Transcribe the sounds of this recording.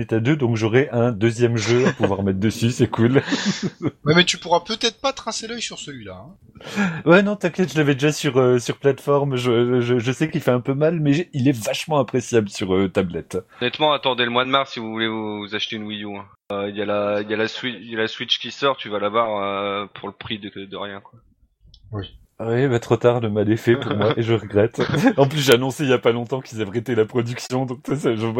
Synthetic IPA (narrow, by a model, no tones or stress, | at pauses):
et̪ad̪ød̪ɔ̃kʒɔʁɛʔɛ̃d̪øzjɛmʒøapuvwaʁmɛt̪χd̪əsysɛkʰul | wɛmɛt̪ypuʁapøt̪ɛt̪χpat̪χɛ̃selœjsyʁsəlɥilaɛ̃ | wɛnɔ̃t̪ɛ̃kɛt̪ʒəlavɛd̪eʒasyʁøsyʁplat̪fɔʁmʒəəʒəʒəsɛkilfɛɛ̃pømalmɛilɛvaʃmɑ̃ɛ̃pχesjabləsyʁøt̪ablɛt̪nɛt̪mɑ̃at̪ɑ̃d̪eləmwad̪maʁsːivuvulevuvuzaʃt̪eynwijuɛ̃ | øiljalailjalaswiljalaswit͡ʃkʲisɔʁt̪yvalabwaʁøpʰuʁləpχid̪əd̪əʁjɛ̃kwa | wɛbat̪χot̪aʁləmalɛfɛpuʁmwwaʔeʒəʁəɡʁɛt̪ɑ̃plysʒeanɔ̃seiljapalɔ̃t̪ɑ̃kilzavʁet̪elapχɔd̪yksjɔ̃d̪ɔ̃k̚t̪wasəʒə